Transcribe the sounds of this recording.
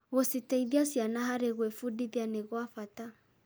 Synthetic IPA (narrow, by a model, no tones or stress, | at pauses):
ɣɔsitaiðiasianaɦaɾɛɣwɛfuɗiðjanɛɣɔafata